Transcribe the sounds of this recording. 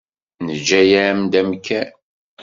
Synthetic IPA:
nəd͡ʒːæjæmd̪æmkʰːæn

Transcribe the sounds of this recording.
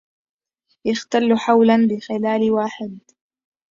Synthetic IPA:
jaxt̪alːħawlanbɪxɪlaːlwaːħɪd̪

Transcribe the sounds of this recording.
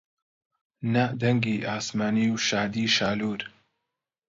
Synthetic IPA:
nad̪ɐŋɡiːʔaːsmaːniːwʃaːd̪iːʃaːluːɾ

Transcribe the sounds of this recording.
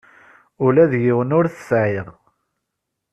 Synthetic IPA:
ʊlæðjɪwənʊɾθəsʕeʁ

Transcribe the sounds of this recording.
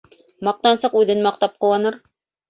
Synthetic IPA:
mɑq̚t̪ɑnsɤqʉðɘnmɑq̚t̪ɑp̚qŏwɑnɤɾ

